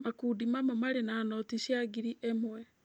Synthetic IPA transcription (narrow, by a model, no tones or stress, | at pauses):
makuːdimamɔmaɾenaːnɔtiɕjaɡiɾiʔemwɛ